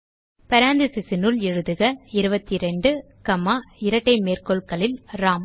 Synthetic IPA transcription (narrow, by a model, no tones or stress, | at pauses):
pɐɾaːnd̪ɯsɪsɪnʊɭɛɻɯðɯɣɐɪɾɯbɐt̪ːiɾɛɳɖɯ | kɐmaːɪɾɐʈːɐɪmeːrkɔɭkɐɭɪlɾaːm